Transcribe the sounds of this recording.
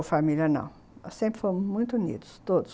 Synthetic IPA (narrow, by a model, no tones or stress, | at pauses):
fɐmiljɐnɐ̰̃w̃ | sẽmpɾfomʊʒmũj̃t̪unḭd̪uʃt̪od̪u